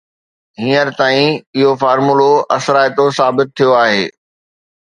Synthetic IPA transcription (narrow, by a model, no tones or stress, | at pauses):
ɦĩːəɾt̪aːĩɪɦofaːɾmuloʔɐ̰sɾaːjt̪osaːbɪt̪̚ʰːijoaːɦḛː